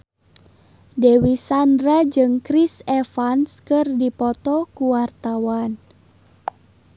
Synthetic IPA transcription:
dɛwisandɾad͡ʒɨŋkɾisɛfanskɨrdipɔt̪ɔkuwart̪awan

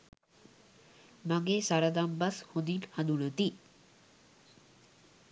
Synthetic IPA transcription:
maŋesaɾəd̪ambashond̪inhand̪unət̪i

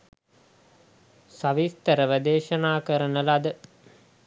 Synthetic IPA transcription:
saʋist̪əɾəʋəd̪eːʃənaːkəɾənəlad̪ə

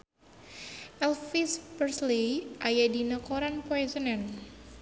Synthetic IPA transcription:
ʔɛlfispərsliʔajadinəkoɾanpoɛsənɛn

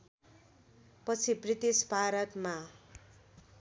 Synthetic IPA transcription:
pʌt͡sʰibrit̪isbʱaɾʌt̪ma

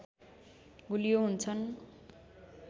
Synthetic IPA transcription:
ɡulijoɦunt͡sʰʌn

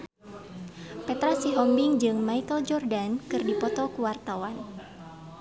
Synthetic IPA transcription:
pɛt̪ɾasiɦɔmbiŋd͡ʒɨŋmait̪ɔld͡ʒɔrdankɨrdipɔt̪ɔkuwart̪awan

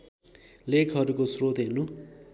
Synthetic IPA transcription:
lekʰɦʌɾukosrot̪ɦelnu

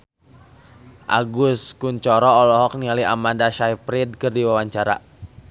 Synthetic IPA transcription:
ʔa̰ɡʊskuɲt͡ʃɔɾɔːlɔɦɔk̚nialiamandaʃajpɾid̚kɨrdiwawaɲt͡ʃaɾa

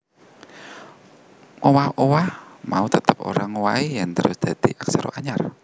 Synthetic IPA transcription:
ʔowahowahmaut̪ət̪əpo̰ɾaŋowaijaŋt̪əɾʊsd̪̥a̤d̪̥iʔaksaɾo̰ʔaɲar

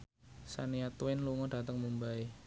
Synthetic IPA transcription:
sa̰niat̪uɪnluŋɔd̥a̤t̪əŋmumbai

